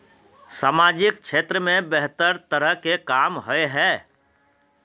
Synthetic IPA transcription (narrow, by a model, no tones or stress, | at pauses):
saːmaːd͡ʒɪk̚t͡ʃʃʰeːt̪ɾəmẽbɛɦt̪əɾt̪əɾəɦkekaːmɦoeɦɛː